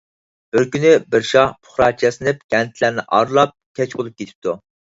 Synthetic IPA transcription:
b̥ɪɾkʲynɪbɪɾʃɑhpʰʊ̥χɾɑt͡ʃʰɛsɪnɪp̚ɡ̥ʲɛnt̪ʰlæɾnɪʔɑ̰ɾlˠɑp̚kʲʰɛt͡ʃbolˠup̚kʲet̪ʰɪ̥p̚t̪ʰu

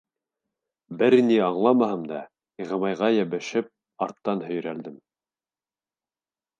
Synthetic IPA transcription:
bɘɾniɑɴlˠɑmɑɦɤmd̪ɑ | iʁɤ̆mɑjʁɑjæβɘ̆ʃɘp̚ | ɑɾt̪ːɑnhɵ̆j̆ɾæld̪ɘm

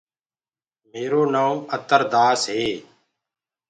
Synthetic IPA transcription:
meːɾoːnaːũːət̪əɾd̪aːsɦeː

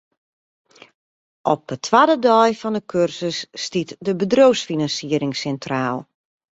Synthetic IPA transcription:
ʔɔp̚ətʰʋadədɔjfɔndəkʰørsəsːtitdəbədrowsfinansiəɾɪŋsɛntraːlˠ

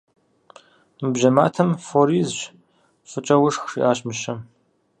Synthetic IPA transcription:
mɨbʒɐma̰ːtʰɐmfoɾiːzɕ | fɨt͡ʃʼɐwʊʂxʂḭːʔaːɕmɨɕɐm

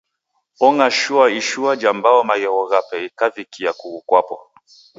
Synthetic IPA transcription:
ɔŋaʃuaiʃuad͡ʒambaɔmaɣɛɣɔɣapɛikavikiakuɣukwapɔ̰

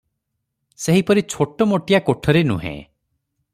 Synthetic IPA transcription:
seɦipɔɾit͡ʃʰoʈɔmoʈijakoʈʰɔɾenṵɦḛ̃

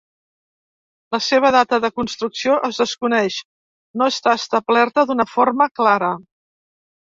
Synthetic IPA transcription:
ləseβ̞əðat̪əðəkunst̪ɾuksioʔəzðəskunɛʃ | noəst̪aəst̪əblɛrt̪əðunəforməklaɾə

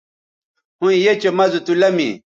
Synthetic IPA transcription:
hũijet͡ɕemɐzut̪ulɐmḭ

